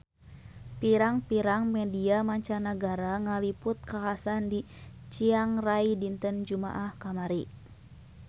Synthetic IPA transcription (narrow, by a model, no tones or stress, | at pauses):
piɾaŋpiɾaŋmɛdiamaɲt͡ʃanaɡaɾaŋalipʊt̪̚kakasandi | t͡ʃiaŋraidint̪ənd͡ʒuma̰ʔahkamaɾi